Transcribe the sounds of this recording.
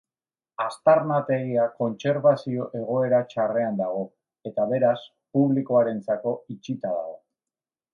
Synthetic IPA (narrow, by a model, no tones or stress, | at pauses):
ast̪aɾnat̪e̞ɣiako̞nt͡se̞ɾβasio̞ʔe̞ɣ̞o̞e̞ɾat͡ʃare̞and̪aɣ̞o̞ | e̞t̪aβe̞ɾas | puβliko̞aɾe̞nt͡sako̞it͡ʃit̪aða̰ɣo